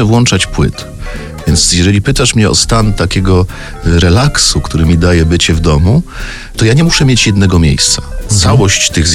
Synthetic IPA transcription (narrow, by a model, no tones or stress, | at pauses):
ɛvwɔnt͡ʂat͡ɕpwɘ̰t̪ | vʲjɛnt̪sjɛʐɛlʲipɘt̪aʂmɲɛɔ̰st̪ant̪akʲɛɡɔ | ɾɛlaksukt̪uɾɘmʲid̪ajɛbɘt͡ɕɛvd̪ɔmu | t̪ɔjaɲɛmuʂɛmʲjet͡ɕjɛd̪nɛɡɔmʲjḛjst̪sat̪sawɔɕt͡ɕt̪ɘɣz